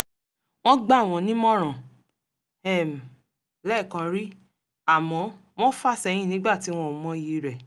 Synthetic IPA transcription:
w̃ɔ̃˦ɡ͡ba˦˨w̃ɔ̃˧nĩ˦mɔ̃˦˨ɾ̃ã˨ | ɛ˦˨m˨ | lɛ˦˨kã˧ɾi˦ | a˦˨mɔ̃˨˦ | w̃ɔ̃˦fa˦˨sɛ˧˨j̃ĩ˦˨nĩ˨˦ɡ͡ba˦˨ti˨˦w̃ɔ̃˦˨mɔ̃˧ji˨˦ɾɛ˨

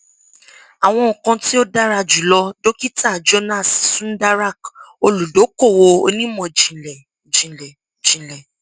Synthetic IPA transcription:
a˨w̃ɔ̃˧˨kã˧ti˦o˦da˦ɾa˧d͡ʒu˨lɔ˧do˦ki˦ta˦˨d͡ʒo˧nã˦˨ssũ˦da˦ɾa˦˨ko˧lu˨do˨˦ko˦˨wo˧o̰˧nĩ˦mɔ̃˨d͡ʒĩ˨lɛ˨ | d͡ʒĩ˨lɛ˨ | d͡ʒĩ˨lɛ˨

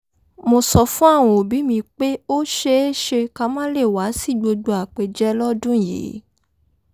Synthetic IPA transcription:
mo˧sɔ˧fũ˦a˦˨w̃ɔ̃˨o˨bi˨˦mĩ˧k͡pe˦o˦ʃe˦e˦ʃe˧ka˦mã˦le˦˨wa˨˦si˦˨ɡ͡bo˧do˧a˨k͡pe˧d͡ʒɛ˦lɔ˦dũ˦˨jḛ˨˦

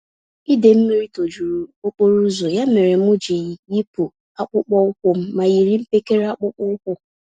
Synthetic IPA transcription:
i˦de˨m̩˦mi˦ɾi˦to˨d͡ʒu˨ɾu˨o˦k͡po˦ɾu˦zo˨ja˦me˨ɾe˨m̩˦ʊ˦d͡ʒe˨ji˨ji˦pu˨ | a˦k͡pʊ˦k͡pɔ˦ʊ˦kʷʊ˦m̩˦ma˨ji˨ɾi˦m̩˦pe˦ke˦ɾe˦a˦k͡pʊ˦k͡pʊ˦ʊ˦kʷʊ˦

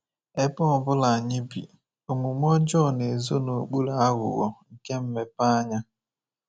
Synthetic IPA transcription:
e˦pɔ˦ɔ˨bʊ˦la˨ɲɪ˦bḭ˨ | o˨mʊ˨mʷɔ˦d͡ʒɔ˦˨ne˨zo˦no˨k͡pu˦la˨a˦ɣʊ̰˨ɣɔ˨ŋ̩˨ke˦m̩˦me˨pa˦ɲa˦

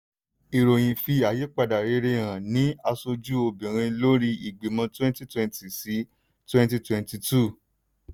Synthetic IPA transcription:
i˨ɾo˨j̃ĩ˨fi˧a˨je˨˦k͡pa˧da˨ɾe˧˦ɾe˧˨ɾ̃ã˨nĩ˨˦a˧so˧d͡ʒu˦o˧bĩ˨ɾ̃ĩ˧lo˦ɾi˧i˨ɡ͡be˨mã˧twɛ̃˦nti˦twɛ̃˧nti˨si˨˦ | twɛ̃˦nti˧twɛ̃˧n˦ti˧tu˦˨

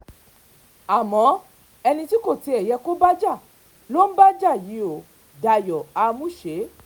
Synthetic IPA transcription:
a˨mɔ̃˨˦ | ɛ˧nĩ˧ti˦ko˦˨ti˧˦ɛ˨jɛ˧ko˦ba˦d͡ʒa˦˨ | lo˦n̩˦ba˦d͡ʒa˦˨ji˨˦o˨ | da˧˨jɔ˨a˧mũ˦ʃe˨˦

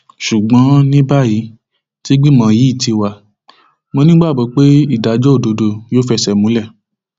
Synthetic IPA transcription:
ʃu˨ɡ͡bã˨˦nĩ˦ba˦˨ji˨˦ | ti˦ɡ͡bĩ˦mã˧˨ji˨˦i˦˨ti˧wa˨ | mõ˧nĩ˦ɡ͡ba˦˨bɔ˨˧˦k͡pe˦i˦˨da˨d͡ʒɔ˦o˦˨do˧do˨joː˨˦fɛ˧sɛ˨mũ˨˦lɛ˦˨

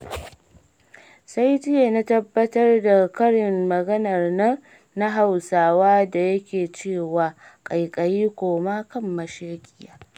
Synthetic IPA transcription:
sa˦jtɪ˦je˨na˦tɐ˦bːɐ˦tɐ˦rda˨kɐ˦ɽɪ˨mːɐ˨ɡɐ˦nɐ˨rnɐ˦ŋ | na˦ɦa˨wsaː˨waː˦da˨jɐ˦kʲeː˨t͡ʃeː˦˨waː˨kʼɐ˨jkʼɐ˨jiː˦kʷoː˨maː˦kɐ˦mːɐ˨ʃe˦kʲʼɪ˦jaː˦

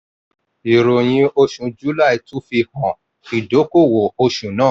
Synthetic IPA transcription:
i˨ɾo˨j̃ĩ˧o˧ʃũ˨d͡ʒu˦la˦˨i˨tu˦fi˧hɔ̃˨ | i˨do˨˦ko˦˨wo˨o˧ʃũ˨nãː˦˨

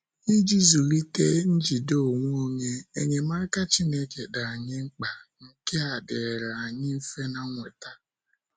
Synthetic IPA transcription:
ni˦d͡ʒi˦zu˨ɾi˦ke˦n̩˦d͡ʒi˨do˦˨ŋʷ˦o˦ɲe˦e˦ɲe˨ma˦ka˦t͡ʃi˦ne˦ke˨da˨a˨ɲɪ˦ŋ͡m̩˦k͡pa˨ŋ̩˦ke˦a˨dɪ˨ɾa˨a˨ɲɪ˦m̩˦fe˦na˦ŋʷe˨ta˦

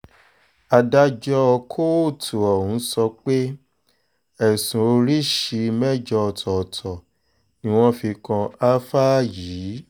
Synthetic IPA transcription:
a˧da˧d͡ʒɔ˧ɔ˧kʰo˦˨tʰu˨ɔ˨hũ˨˦sɔ˧k͡pe˦ | ɛ˨sũ˨o˧ɾi˦ʃi˧mɛ˦d͡ʒɔ˧˨tʰɔ˨tʰɔ˨ | nĩ˦w̃ɔ̃˧fi˧kã˧a˦fa˦jiː˨˦

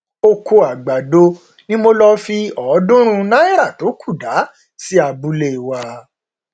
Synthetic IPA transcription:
o˧ko˧a˨ɡ͡ba˨do˧ | nĩ˦mo˧lɔ˧fi˧ɔ˨˦dũ˦ɾ̃ũ˧nã˦i˦˨ɾa˦˨to˨˦kʰu˦˨da˨˦ | si˦a˧bu˧le˦˨wa˧

